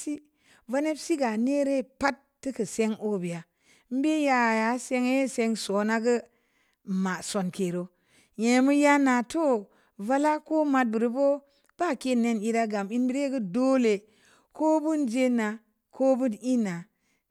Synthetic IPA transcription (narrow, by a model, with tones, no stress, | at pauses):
si˦ | va˦ne˦bsi˦ɡa˨ne˦ɾe˦˨pa˦tːɨ˦kɨ˨se˦ŋo˦bi˨a˨ | m̩˦be˦ja˦˨ja˨˦se˦ŋe˦se˧ŋso˨˦na˦ɡə˦ | ma˨so˨nke˨ɾo˨ | je˨mu˦ja˦na˨to˦ | va˦la˦ko˦ma˦t̚bɨ˨ɾi˦bo˦ | b̥a˦˨ke˦˨ne˦ni˦ɾa˦ɡa˨mi˦nbi˨ɾe˦ɡɨ˦do˦le˨ | ko˦bu˦nd͡ʒe˦na˨ | ko˦bɨ˦ni˦na˨